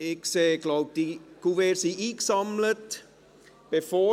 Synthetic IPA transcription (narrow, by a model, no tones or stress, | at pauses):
ɪkseːɡ̥laʊb̚d̥ikuʋeːɾsiʔiːksɑmlət | b̥efoː